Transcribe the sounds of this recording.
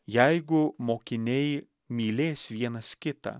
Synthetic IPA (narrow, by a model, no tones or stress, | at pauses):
jajɡʊmoːkʲɪnʲej | mʲiːlʲeːsʋʲiɛnɐskʲɪt̪ɐ̰